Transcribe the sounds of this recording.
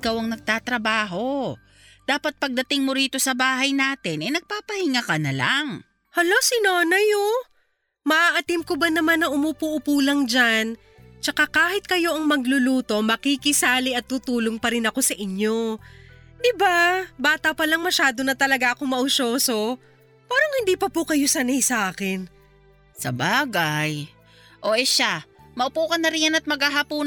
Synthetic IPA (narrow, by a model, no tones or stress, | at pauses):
ʔɪkawɐŋnɐɡ̚t̪aːt̪ɾɐbaːɦo̞ | d̪̥aːpɐt̪̚pɐɡ̚d̪ɐt̪ɪŋmʊɾiːt̪o̞sɐbaːɦɐjnaːt̪ɛnʔɐjnɐɡ̚paːpɐhɪŋakɐnɐla̰ŋ | hɐlo̞sɪnoːnɐjo | mɐʔaʔɐt̪ɪmkobɐnɐmanɐʔʊmupuʔʊpuːlɐŋd͡ʒan | t͡ʃɐkakaːhɪt̪̚kɐjo̞ʔɐŋmɐɡlʊluːt̪o̞mɐkikɪsaːlɪʔɐt̪ːuːt̪uːlo̞ŋpɐɾɪnɐko̞sɐʔɪɲjo̞ | d̪ɪbabaːt̪ɐpɐlɐŋmɐʃaːd̪o̞nɐt̪ɐlɐɡaʔɐkoŋmɐʔʊʃoːso̞ | pɛːɾoŋhɪnd̪iːpɐpʊkɐjo̞sɐnɛjsɐʔaːkɪn | sɐ̰baːɡaj | ʔoʔɛʃamɐʔʊpuːkɐnːɐɾɪnjanɐt̪̚mɐɡhaɦapuː